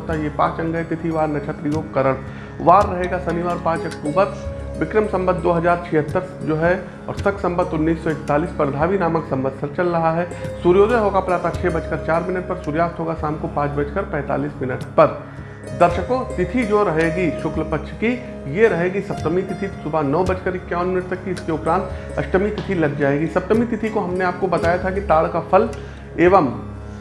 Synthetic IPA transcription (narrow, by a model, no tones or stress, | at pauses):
t̪ajepã̰ːt͡ʃɐ̃ŋɡʱət̪ɪt̪ʰiʋaːɾnɐt͡ʃʰət̪ɾijoːkɐɾəɽ | ʋaːɾːɐɦeːɡasɐniʋaːɾpãːt͡ʃəkpuːbət̪̚ʋɪkɾəmsɐ̃mbəd̪ːoːɦɐd͡ʒaːɾt͡ʃʰiɦət̪ːəɾd͡ʒoːɦɛ | ɔ̰ːɾsəksɐ̃mbəd̪ʊnːiːsːɔɪkt̪aːliːspɾəd̪ʱaːʋinaːməksɐ̃mbəd̪̚ʱsɐɾt͡ʃəlɾɐɦaɦɛsuɾjoːd̪əɦoːɡapɾaːt̪at͡ʃʃʰebɐt͡ʃkəɾt͡ʃaːɾmɪnəʈ̚pɐɾsuːɾjaːst̪ɦoːɡasaːmkopãːt͡ʃbət͡ʃkəɾpɛ̃ːt̪a̰ːliːsmɪnəʈpɐɾ | d̪ɐɾʃəkot̪ɪt̪ʰid͡ʒoːɾɐɦeːɡiʃʊkləpɐkʃʰki | jeɾɐɦeːɡisɐpt̪əmit̪ɪt̪ʰisʊbʱanɔːbɐt͡ʃkəɾɪkːjaːʊnmɪnəʈ̚t̪ɐkːiɪskeʊpɾãːnt̪ | ɐʃʈəmit̪ɪt̪ʰilɐɡd͡ʒaːeːɡisɐp̚t̪əmit̪ɪt̪ʰikoɦɐmneaːp̚kobɐt̪aːjat̪ʰakit̪aːɭkapʰɐl | eːʋəm